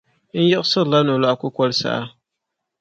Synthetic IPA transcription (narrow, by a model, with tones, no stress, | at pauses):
n̩˦ja˦ʔsɨ˦ɣla˦no˨la˦ʔa˨kʊ˦kʷɔ˦lsa̰˦˨a˦